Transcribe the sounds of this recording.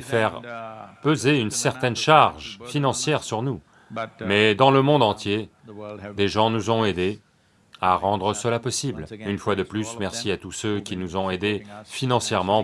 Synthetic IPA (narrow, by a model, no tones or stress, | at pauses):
fɛʁpøzeynsɛʁt̪ɛnʃaʁʒfinɑ̃sjɛʁsyʁnu | mɛd̪ɑ̃ləmɔ̃d̪ɑ̃t̪je | d̪eʒɑ̃nuzɔ̃ed̪e | aʁɑ̃d̪ʁəsəlapɔsiblynfwad̪əplysmɛʁsiat̪usøkʲinuzɔ̃ed̪efinɑ̃sjɛʁmɑ̃